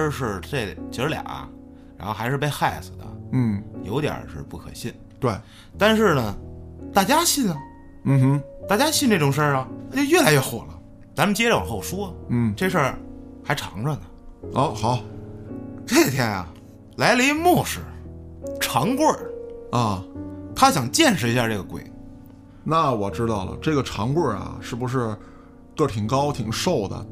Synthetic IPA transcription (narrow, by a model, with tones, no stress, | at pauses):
ʂɻ̩˥˩ʈ͡ʂe˥˩lt͡ɕʰi˧˥ʂɻ̩˥ljɑ̰˨˩˦ɐ̰˧ | ɻa˧˥xo˥˧ʊxa˧˥ɪʂɻ̩˥˧p̬e˥˧ɪxa˥˩ɪs̩˨˩d̪ə̰˩n̩˥˩jo˧˥t̪jə̰˨˩ʂɻ̩̰˥˧pu˥˩kʰɤ̰˨˩ɕi˥˩n | t̪we˥˩ɪ | t̪a˥˧nʂɻ̩˥˩nə˩t̪a˥˩t͡ɕja˥ɕi˥˩nə˧ | m̩˥˩˥t̪a˥˩t͡ɕja˥ɕi˥˧nʈ͡ʂʈ͡ʂʊ˨˩ŋʂə˥˩ɐ˨˩˧t͡ɕjo˧ʊɥɛ˥˩la˧˥ɪɥɛ˥˩xwɔ̰˨˩lə̰˦ | t͡sa˧˥mə˨nt͡ɕjɛ˥ʈ͡ʂxo˥˩˨ʂwu˥˨˥ʈ͡ʂe˥˧˩ɡə˧ʂə˥˩xa˧˥ɪʈ͡ʂʰɑ̰˧˥ŋʈ͡ʂə˥˩nə˩ɔ˥˧˥xɑ˨˩˦ʊ | ke˥˩jɛ˧˥nɐ̰˨˩ | la˧˥ɪlə˧i˧˥ɡə˧mwɔ˥˩ʂɻ̩˥˩ʈ͡ʂʰɑ˧˥ŋkwə˥˩ə˥˩t̪ʰa˥ɕjɑ˨˩ŋt͡ɕjɛ˥˧nʂɻ̩˧˥i˧˥ɕja˥˧ʈ͡ʂɤ˥˩ɡə˩kwḛ˨˩ɪ | na˥˩wɔ˨˩ʈ͡ʂɻ̩˥t̪ɑ˥˩ʊlə̰˩ʈ͡ʂɤ˥˩ɡə˩ʈ͡ʂʰɑ˧˥ŋkwə˥˩ɐ̰˨˩ʂɻ̩˥˩bu˧ʂ̬ɻ̩˥˧ | kɤ˥˩t̪ʰi˨˩ŋkɑ˥ʊt̪ʰi˨˩ŋʂo˥˩ʊd̪ə̰˩